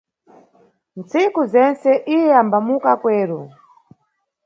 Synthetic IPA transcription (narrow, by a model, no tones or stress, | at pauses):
nt͡sikuzɛnt͡sɛʔijɛambamukakwɛːɾɔ